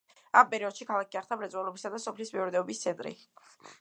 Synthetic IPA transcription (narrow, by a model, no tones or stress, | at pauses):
ampʼɛɾiɔd̪̥ʃikʰalˠak̚ʰiaχt̪ʰamɾɛt̪sʼwalˠɔbisad̪asɔpʰlismiɔɾd̪ɛɔbist̪sʰɛnt̪ʼɾḭ